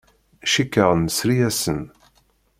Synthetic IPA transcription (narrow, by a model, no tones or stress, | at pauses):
ʃikːəʁənəsɾijæsən